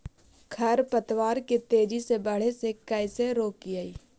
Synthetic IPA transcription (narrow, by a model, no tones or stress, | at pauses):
kʰɐɾpət̪waːɾket̪eːd͡ʒisebəɽ̤esekɐɪseɾoːkiaːiː